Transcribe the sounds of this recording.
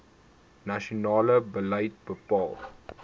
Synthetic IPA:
naʃonɑːləbələjt̚bəpɑːl

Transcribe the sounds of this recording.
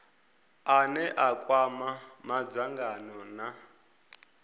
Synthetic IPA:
anɛʔakʼwamamad͡zaŋɡanɔna

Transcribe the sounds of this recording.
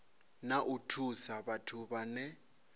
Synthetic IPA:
naʔutʰusaβatʰuβanɛ

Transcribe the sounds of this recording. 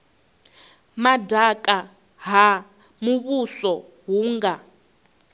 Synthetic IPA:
madakʼa | ɦa | muβusɔ | ɦuːŋɡa

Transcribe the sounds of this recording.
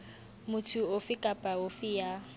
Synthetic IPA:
mʊtʰuofɪkʼapʼaofɪja

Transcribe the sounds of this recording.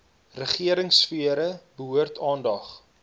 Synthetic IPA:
rəχiəɾəŋsfiəɾəbəɦuərtʰɑːndɐχ

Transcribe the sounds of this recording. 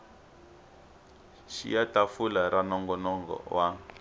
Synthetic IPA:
ʃḭjatafulaɾanɔŋɡɔnɔŋɡɔ̰wa

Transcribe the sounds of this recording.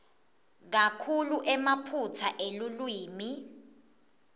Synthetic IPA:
k̬akʰuluʔɛmapʰutʰaʔelulwiːmi

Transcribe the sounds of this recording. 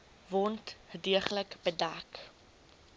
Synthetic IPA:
vɔrntədiəχələkbədæk

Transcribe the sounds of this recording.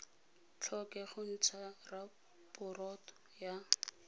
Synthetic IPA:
t͡ɬʰɔkɛχʊn̩t͡sʰara | pʊrɔtɔ | ja

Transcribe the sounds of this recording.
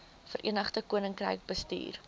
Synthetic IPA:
fəɾʔiənəχtəkuənəŋkrə̰jk̚bəstḭːr

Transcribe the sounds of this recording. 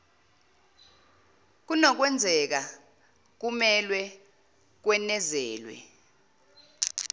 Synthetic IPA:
k̬unɔk̬wɛnd͡zʱɛk̬a | k̬umɛlwɛ | k̬wɛnɛzɛːlwɛ̰

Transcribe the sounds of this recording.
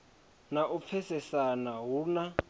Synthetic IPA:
naʔup̪fʰɛsɛsanaɦuna

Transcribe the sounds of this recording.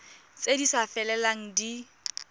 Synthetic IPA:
t͡sedisafɛlɛlaŋ̩di

